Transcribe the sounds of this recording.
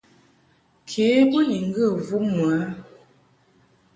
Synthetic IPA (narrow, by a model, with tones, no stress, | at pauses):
kʰe˨˦bə˦ji˨ŋ˦ɡə˦˨vu˦m˨a˨˦